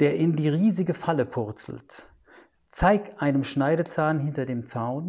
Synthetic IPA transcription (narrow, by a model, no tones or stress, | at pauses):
d̥eːɐʔɪndiːʁiːzɪɡəfaləpʰʊɐt͡sl̩t | t͡saɪktʔaɪnəmʃnaɪɾət͡saːnɦɪntɐdeːmt͡saʊn